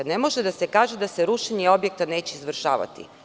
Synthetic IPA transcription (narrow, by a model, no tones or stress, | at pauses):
nemo̞ʒed̪ase̞kaːʒed̪aseɾuʃeɲeo̞bje̞k̚t̪aneːt͡ɕeizʋr̩ʃaːʋa̰t̪ḭ